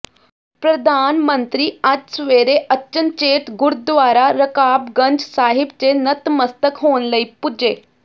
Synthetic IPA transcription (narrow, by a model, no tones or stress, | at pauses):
pɾəd̪ʱanmənt̪ɾiːad͡ʑsʋeɾeʔətːt͡ɕənt͡ɕeʈ̪ɡuɾd̪ʋaɾaɾəkabɡənd͡zsaɦib̚t͡ɕenət̪məst̪əkɦonləipud͡ʑe